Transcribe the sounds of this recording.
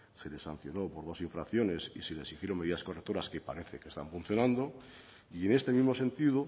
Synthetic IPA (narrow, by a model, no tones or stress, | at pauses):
se̞le̞san̟θjo̞no̞po̞ɾðo̞siɱfɾakθjo̞ne̞sḭsele̞sixjeɾo̞me̞ðiðasko̞rek̚t̪o̞ɾaskepa̰ɾe̞θe̞kest̪aɱfun̟θjo̞nãnd̪o̞ | ie̞ne̞st̪e̞mizmo̞se̞nt̪iðo